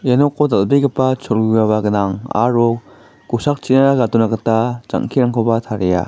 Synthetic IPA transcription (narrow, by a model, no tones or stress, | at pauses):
janɔkːɔdalbeɡəpat͡ʃʰoɾɡujaβaɡɯnaŋa̰ɾɔ | ɡusak̚t͡ʃinaɾaɡatunakatad͡ʒa̰ŋkʰiɾaŋkʰobatʰaɾeja̰